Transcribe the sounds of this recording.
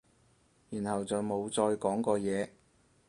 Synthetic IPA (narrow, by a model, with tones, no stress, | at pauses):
jyː˨˩nhɐ˨wt͡sɐ˨wmo˨˧wt͡sɔː˧jkɔː˨˥ŋkɔː˧jɛː˨˧